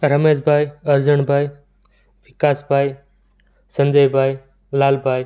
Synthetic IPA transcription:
ɾəmeːzbʱaːiɐɾd͡ʒəɳ̃bʱaːi | ʋɪkaːsbʱaːi | sə̃nd̪əibʱaːi | laːlbʱaːi

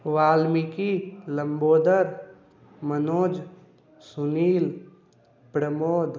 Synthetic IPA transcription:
ʋaːlmikilə̃mboːd̪əɾ | mənoːd͡ʒ | sʊniːl | pɾəmoːd̪

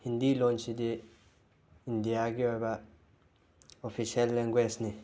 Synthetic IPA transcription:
hind̪ilɔnt͡ʃid̪i | indijaɡiɔjba | ɔfʰisialːɛŋɡwɛsni

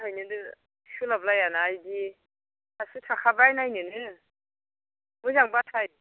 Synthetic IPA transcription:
ɦajnɯdɯ | sɯlablajanaːjdi | tʰasɯtʰakʰabajnajnɯnɯ | mɯzaŋbatʰaj

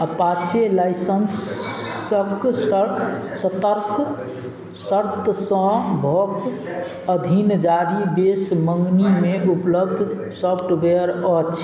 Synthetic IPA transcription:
əpat͡ʃʰelajsəns | ək | sət̪əɾk | səɾt̪sə̃bʱɔk | əd̪ʱind͡ʒaɾibesməŋɡnimeupləbd̪ʱ | sɔpʰʈbeəɾɔt͡ʃʰ

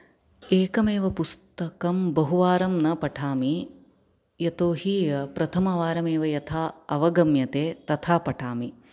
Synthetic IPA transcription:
eːkɐmeːʋɐpust̪ɐkɐmbɐɦuʋaːɾɐmnɐpɐʈʰaːmi | jɐt̪oːɦipɾɐt̪ʰɐmɐʋaːɾɐmeːʋɐjɐt̪ʰaːɐʋɐɡɐmjɐt̪eːt̪ɐt̪ʰaːpɐʈʰaːmi

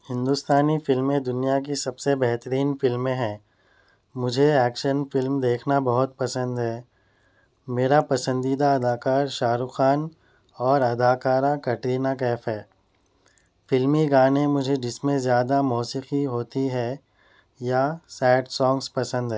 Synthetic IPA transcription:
hɪ̃nd̪ust̪aːnifɪlmːẽd̪ʊnijak̬isɐbsebɛɦt̪əɾiːnfɪlmːẽɦɛ̃ː | mʊd͡ʒʱeɛːkʃənfɪlmd̪eːkʰnabɐɦʊt̪̚pɐsə̃nd̪ɦɛː | meːɾapɐsə̃nd̪iːd̪aɐd̪aːkaːɾʃaːɾʊxaːn | ɔːɾɐd̪aːkaːɾakɐʈɾiːnak̬ɛːfɦɛː | fɪlmiɡaːnẽmʊd͡ʒʱed͡ʒɪsmẽzjaːd̪amɔːsiqiɦoːt̪iɦɛ | jasɛːʈsɔ̃ːŋɡspɐsə̃nd̪ɦɛː

